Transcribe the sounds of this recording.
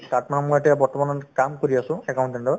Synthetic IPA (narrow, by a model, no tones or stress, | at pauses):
tatmanmojetijabɔɹtɔmanɔnkamkoɹiasʊ̃ɛkawɳʈɛntɔ